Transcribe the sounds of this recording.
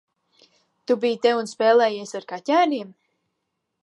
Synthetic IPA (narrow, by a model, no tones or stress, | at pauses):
t̪ubijt̪ɛunspɛːlˠɛːjiɛsaɾkacæːnʲiɛm